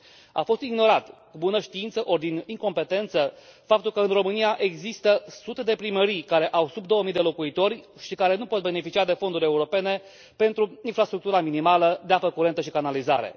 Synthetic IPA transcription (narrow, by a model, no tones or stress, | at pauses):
a̰fo̞st̪iɡno̞ɾat̪kubunəʃt̪iint̪səʔo̞rd̪iniŋko̞mpe̞t̪e̞nt̪səfap̚t̪ulkəɨnro̞mɨniaʔe̞ɡzist̪əsut̪e̞d̪e̞pɾiməɾijkaɾe̞ʔawsubd̪o̞əmijd̪e̞lo̞kuit̪o̞rʲ | ʃikaɾe̞nupo̞t̪̚be̞ne̞fit͡ʃiad̪e̞fo̞nd̪uɾʲe̞uɾo̞pe̞ne̞ | pe̞nt̪ɾuinfɾast̪ɾuk̚t̪uɾaminimaləd̪eapəkuɾe̞nt̪əʃikanalizaɾe̞̰